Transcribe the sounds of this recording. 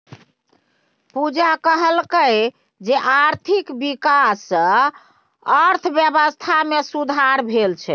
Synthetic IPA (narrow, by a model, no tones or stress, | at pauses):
pud͡ʒakəɦəlkəj | d͡ʒeʔaɾt̪ʰikbikasːə̃ | əɾt̪ʰbjəbəst̪ʰamesud̪ʱaɾbʱelt͡ʃʰɛ̰